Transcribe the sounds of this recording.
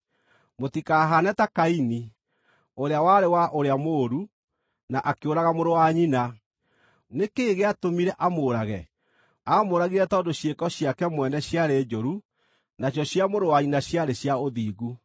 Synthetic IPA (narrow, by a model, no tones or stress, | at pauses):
motikaːɦanɛtakaini | oɾeawaɾewaʔoɾeamoɾu | naʔakeoɾaɣamoɾowaɲina | nekeːɣeatomiɾɛʔamoːɾaɣɛ | amoɾaɣiɾɛtɔndoɕjekɔɕjakɛmwɛnɛɕjaɾeːd͡ʒoɾu | naɕjɔɕjamoɾowaɲinaɕjaɾeɕjaoðiːɣu